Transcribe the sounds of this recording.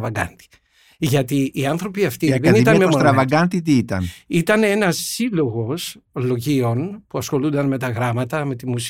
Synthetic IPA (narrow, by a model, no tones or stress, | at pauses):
vɐɡɐ̰nt̪i̥ | ʝɐt̪iːɐnθɾo̞piɐft̪iðenit̪ɐnmemoɾɐvɐɡɐnt̪it̪iit̪ɐ̰nit̪ɐnenɐsːilo̞ɣo̞slo̞ʝio̞npuɐsxo̞lund̪ɐnme̞t̪ɐɣɾɐmɐt̪ɐme̞t̪imus